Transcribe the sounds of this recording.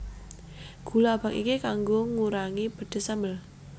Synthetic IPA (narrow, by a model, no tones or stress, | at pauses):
ɡ̥ṳlabakḭkikaŋɡoŋuɾaŋib̥ə̤d̪̥e̤sambəl